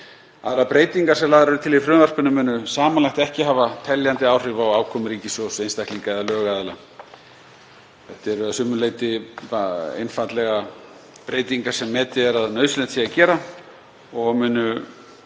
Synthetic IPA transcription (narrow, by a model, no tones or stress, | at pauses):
a̰ðɾapɾeːjt̪iŋkaɾsɛmlaːɣðɾɛɾʏt̪ʰɪlifɾʏːnvar̥pʏnʏmʏːnʏsaːmanlajxt̪ɛhcɪɦaːvat̪ʰɛljant̪ɪaːwr̥ɪvawaːwkʰɔmɾiːcɪsɔsejnst̪akliŋkaɛðalœːɣaðɛla | θɛht̪ɪɾasʏmːʏleːjt̪ɪaḛjnfat̪lɛɣa | pɾeːjt̪iŋkḁsɛmːɛːt̪ɪɛɾaðnœɥðslɛnt̪siacɛːɾa | ɔɣmʏːnʏ